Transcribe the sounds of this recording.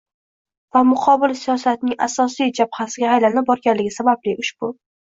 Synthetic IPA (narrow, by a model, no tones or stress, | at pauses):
vamʊqʰɒbɪlsijɒsat̪nɪŋa̰sɒsijd͡ʒab̚hasɪɡʲahajlannɪp̚bɒɾɡʲanlɪɡʲɪsabablɪʔʊʃbʊ